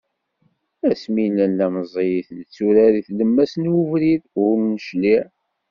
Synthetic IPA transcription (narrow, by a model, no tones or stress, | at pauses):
æsmilænlæməzˤejiθnt͡sːuɾæɾiθləmːæsnwuvɾiðʊɾnəʃliʕ